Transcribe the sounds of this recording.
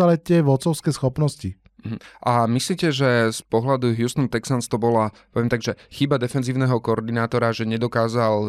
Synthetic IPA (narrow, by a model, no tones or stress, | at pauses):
alɛtɛʋɔt̪t͡sɔʊskɛːsxɔpnɔsci | ɦ̩ʔamisliːcɛʒɛspɔɦlad̪uɦjust̪ɔnt̪ɛksanst̪ɔbɔlapɔʋjɛmt̪aɡʒɛxibad̪ɛfɛnziːʊnɛɦɔkɔɔɾd̪inaːt̪ɔɾaʒɛɲɛd̪ɔkaːzal